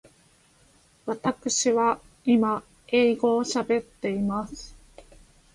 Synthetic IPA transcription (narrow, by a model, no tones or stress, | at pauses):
βat̪akɯ̟ɕiβa | ima | e̞iɡo̞ːɕabe̞t̪ːe̞imasɨ̥